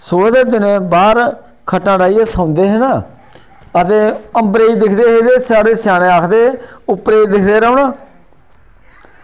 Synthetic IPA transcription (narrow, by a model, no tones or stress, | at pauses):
soːd̪eːd̪ɪnẽːbaːɾ | kʰəʈːãːɽaːiːeːsãːʊnd̪eːɦenãː | ət̪eːəmbɾeːiːd̪ɪkʰd̪eːɦeːd̪eːsaːɽeːsaːɽẽːaːkʰd̪eːʊpɾeːid̪ɪkʰd̪eːɾoːnãː